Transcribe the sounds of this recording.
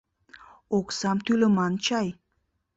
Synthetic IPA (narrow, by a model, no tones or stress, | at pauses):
oksɑmt̪ylə̆mɑnt͡ɕɑj